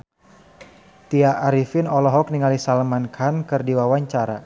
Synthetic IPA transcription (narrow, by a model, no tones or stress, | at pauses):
t̪iaʔːɾifinɔlɔɦɔk̚niŋalisalmankʰankɨrdiwawaɲt͡ʃaɾa̰